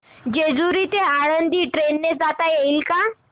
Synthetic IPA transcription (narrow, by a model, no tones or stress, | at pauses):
d͡ʑed͡zuɾit̪eaɽənd̪iːʈɾenːed͡zat̪ajeilka